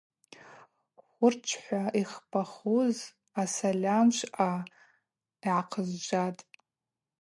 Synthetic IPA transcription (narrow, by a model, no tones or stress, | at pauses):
χʷʊrt͡ʃʷʰħʷaiχpʰaχuz | asalʲamʃʷʔa | iʕaqʰəzd͡ʒʷatʼ